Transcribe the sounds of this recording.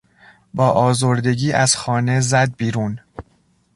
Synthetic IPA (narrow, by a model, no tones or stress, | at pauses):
bɒːʔɒːzoɾd̪e̞ɟiːʔæz̥xɒːne̞zæd̪̚biːɾuːn